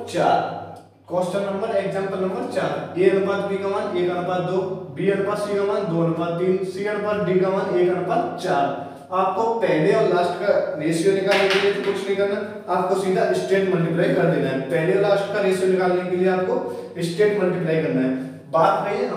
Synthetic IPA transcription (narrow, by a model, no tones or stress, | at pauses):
t͡ʃaːɾ | kɔːsʈəmnɐ̃mbəɾeːkzɛ̃ːmpəlnɐ̃mbəɾt͡ʃaːɾeːəɽbaːd̪̚biːɡaʋaneːkɐɽpaːd̪oːbiːəɽbaːsiːɡaʋaːnd̪oːnəbaːt̪iːnsiːəɽbaːd̪̚biːɡaʋaneːkɐɽpaːd̪t͡ʃaːɾ | aːp̚kopɛːleɔːɾlaːsʈkaɾeːsijonɪkaːlnekeliet̪okʊt͡ʃʰnəɦĩkɐɾna | aːp̚kosiːd̪ʱaɪsʈeːʈmɐlʈɪplaːikɐɾd̪eːnaɦɛpɛɦleɔːɾlaːsʈkaɾeːsijonɪkaːlnekelieaːp̚ko | ɪsʈeːʈməlʈɪpɪlaːjkɐɾnaɦɛː | baːt̪̚ɡəi